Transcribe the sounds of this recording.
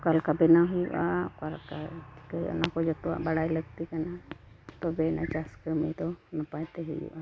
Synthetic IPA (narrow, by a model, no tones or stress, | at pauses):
kalkabɛnaɦʊjuʔakaɾkatʰi̥kaḭɔ̰nakɔd͡ʒɔt̪ua̰ʔbaɽajləɡt̪ikana | t̪ɔbɛna̰t͡ʃaskəmet̪ɔnapat̪ɛɦujṵʔa